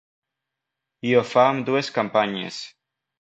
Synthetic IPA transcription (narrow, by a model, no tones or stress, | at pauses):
iofamd̪ueskampaɲḛs